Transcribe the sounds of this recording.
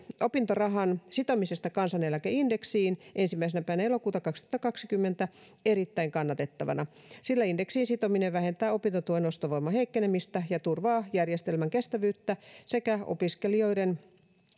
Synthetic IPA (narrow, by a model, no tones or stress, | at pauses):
opint̪orɑɦɑnsit̪omisest̪ɑkɑnsɑnelækæinde̞ksiːnʔensimːæis̬enæpæænæelo̞kuːt̪ɑkɑkst̪ŭ̥ɑt̪ːɑkɑksikymːent̪æ | eɾit̪ːæiŋkɑnːɑt̪e̞t̪ːɑʋɑ̰nɑ | silːæindeksiːnsit̪omineʋʋæhe̞nt̪æːo̞pint̪ot̪uoeno̞st̪oʋoimɑheikːenemist̪æjɑt̪urʋɑːjærjest̪elmæŋkest̪æʋyːt̪ːæse̞kæo̰piskelio̞jden